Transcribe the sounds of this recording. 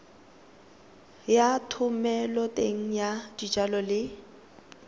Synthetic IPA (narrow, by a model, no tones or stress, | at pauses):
jatʰʊmɛlɔtʼeŋ̩jadid͡ʒalɔlɪ